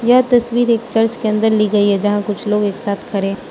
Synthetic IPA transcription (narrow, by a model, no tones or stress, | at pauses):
jɐɦt̪ɐswiːɾeːkt͡ʃɐɾt͡ʃkeɐ̃nd̪əɾliɡɐiɦɛd͡ʒɐɦãkʊt͡ʃʰloːɡeːksaːt̪ʰkʰɐɾẽː